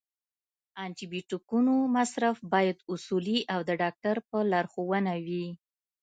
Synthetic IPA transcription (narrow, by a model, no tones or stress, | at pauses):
ɑntibiʈukunomasɾafbɑjad̪usuliʔawd̪əɖɑk̚ʈaɾpəlaɾxowənawi